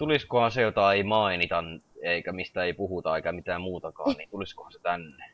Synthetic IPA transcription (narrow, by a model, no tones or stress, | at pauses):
t̪uliskohɑ̃nsejot̪ɑeimɑinit̪ɑneikæmist̪æeipuhut̪ɑeikæmit̪æːmmuːt̪ɑkɑ̰ːnniːt̪ulisko̥hɑ̃se̥t̪ænːe